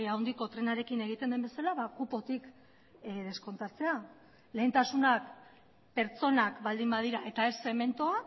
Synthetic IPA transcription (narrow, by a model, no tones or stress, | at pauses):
awnd̪iko̞t̪ɾe̞naɾe̞kine̞ɣ̞it̪e̞nd̪embe̞salaβakupo̞t̪ik | ðe̞sko̞nt̪at͡se̞a | le̞ːnt̪asunak | pe̞ɾt͡so̞nakbald̪imbað̞iɾae̞t̪ae̞se̞me̞nt̪oa